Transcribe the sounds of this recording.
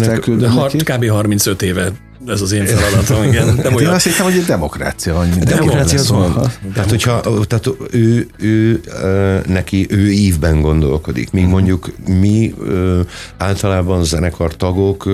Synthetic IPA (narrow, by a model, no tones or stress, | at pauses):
nɛkyld̪øɛkikaːbeːɦɒrmintsøt̪eːvɛ | ɛzɒzeːnfɛlɒd̪ɔt̪ɔmiɡɛnd̪ɛeːnɛseːnt̪ɛmoɛd̪ɛmo̞kra̰ːt̪sijɒvmind̪ɛmokraːssijɒzɔnt̪aːt̪hocʰhɒt̪aːt̪øːøː | nɛkiʔøːiːvbɛŋɡo̞nd̪o̞̰lko̞d̪ḭkmiːɡmo̞ɲɟukmiøaːlt̪ɒlaːbɒnzɛnɛkʰɒrt̪ɒɡok